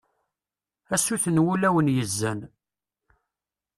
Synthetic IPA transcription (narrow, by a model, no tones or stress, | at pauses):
æsuθənwulæwənjəzːæn